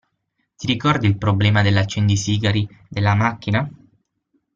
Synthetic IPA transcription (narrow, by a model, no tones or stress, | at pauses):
t̪iɾikɔrd̪ilpɾoblɛːmad̪elːat͡ʃːɛnd̪isiːɡaɾid̪elːamakːina